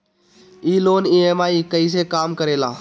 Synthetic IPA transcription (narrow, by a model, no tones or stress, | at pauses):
iːloːniːeːmaːiːkəiːs̬eːkaːmkəɾeːlaː